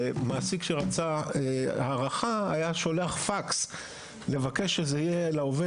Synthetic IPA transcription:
maːsikʃeʁat͡saeaʁaχaa̰jaʃo̞leaχfaks | le̞vake̞ʃezeijelaove

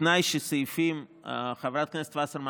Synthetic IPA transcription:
najʃəsəjfimχavɾat̪̚knɛst̪vasəɾma

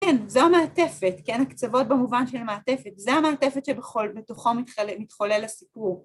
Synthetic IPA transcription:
kɛnzoameate̞fetkenakt͡savo̞t̚bemuvanʃelmeatefe̞tzeameːtefetʃebeχolbetoχo̞mmitχolelasipuʁ

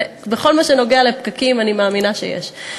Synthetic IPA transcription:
beχo̞lmaʃeno̞ɡealepkakimanimaːminaʃḛjḛʃ

